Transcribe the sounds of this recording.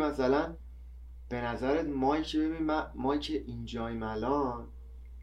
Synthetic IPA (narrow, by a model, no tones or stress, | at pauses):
mæsælæn | b̥e̞næzæɾet̪mɒːicʰebebinimæmɒːicʰeʔind͡ʒɒːimælɒːn